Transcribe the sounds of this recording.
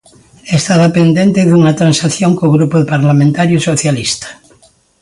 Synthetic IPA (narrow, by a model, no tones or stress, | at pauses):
est̪aðapend̪ent̪eðunat̪ɾansaθjoŋkoɣɾupoðepaɾlamẽnt̪aɾjosoθjalist̪ḁ